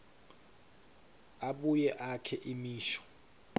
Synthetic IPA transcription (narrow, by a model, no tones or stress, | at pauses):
aɓujɛʔakʰɛʔimiːʃɔ̥